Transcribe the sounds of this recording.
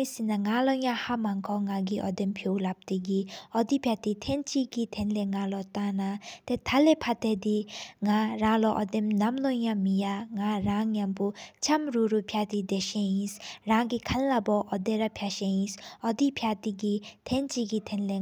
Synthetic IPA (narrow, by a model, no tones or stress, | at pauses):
isinaŋalɔjãhamaŋkʰɔŋaɡiʔɔd̪empʰjowlap̚t̪iɡiɔd̪ipʰjat̪it̪ʰent͡ʃiɡit̪ʰenleŋalɔt̪anat̪et̪ʰalepʰat̪ed̪iŋaɾãlɔʔɔd̪emnamlɔjãmijaŋaɾaŋjamput͡ʃʰamɾuɾupʰjat̪id̪eʃẽĩsɾãŋɡikʰanlabɔʔɔd̪eɾapʰjaʃẽĩsɔd̪ipʰjat̪iɡit̪ʰent͡ʃiɡit̪ʰenle